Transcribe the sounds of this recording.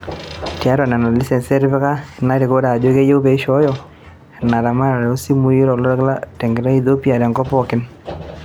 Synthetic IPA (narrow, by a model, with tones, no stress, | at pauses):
tja˦ɾwa˨na˨na˨li˦sɛ˨nsɛ˦ɾbɛ˦ka˦˨na˦ɾe˨ko˦ɾa˨d͡ʒo˦ke˦je˦wbe˨i˦ʃɔ˨˦jɔ˨ | na˨ɾa˨ma˦ɾa˨ɾɛ˨o˦si˦mu˦ji˦ɾɔ˨lɔ˦ɾkla˦tɛ˨ŋɡɪ˨ɾa˦i˦ðo˦pi˦a˨ɾɛ˨ŋɡɔ˦pɔ˨kɪ˦n